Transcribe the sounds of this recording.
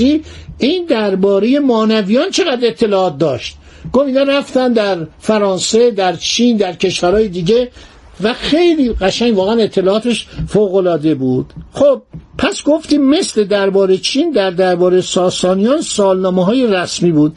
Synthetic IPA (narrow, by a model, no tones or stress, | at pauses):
iiːnd̪æɾbɒːɾe̞jemɒːnævijɒnt͡ʃʰe̞ɣæd̪ɾe̞t̪ʰːe̞lɒːɒːt̪̚d̪ɒ̰ːʃt̪̚ | ɡ̥ofiːnɛɾæft̪ænd̪æɾfæɾɒːnse̞d̪æɾt͡ʃʰiːnd̪æɾcʰe̞ʃvæɾɒːjed̪iːɟe̞ | væxe̞jliːɣæʃæŋɡvɒːɣeæne̞t̪ʰːe̞lɒːɒːt̪ʰe̞ʃfoːɣo̞lɒːd̪e̞buːd̪̥xob̥̚pʰæsɡo̞ft̪iːmːe̞sle̞d̪æɾbɒːɾet͡ʃʰiːnd̪æɾd̪æɾbɒːɾejesɒːsɒːnijɒːnsɒːlnɒːmeɦɒːje̞ræsmiːbuːd̪̥